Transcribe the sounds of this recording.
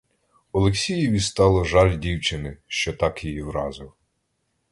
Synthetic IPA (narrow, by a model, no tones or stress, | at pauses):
ɔlˠeksʲijiʋʲist̪ɑlˠɔʒɑlʲdʲiwt͡ʃɪnɪʃt͡ʃɔt̪ɑkjijiwɾɑ̰zɪw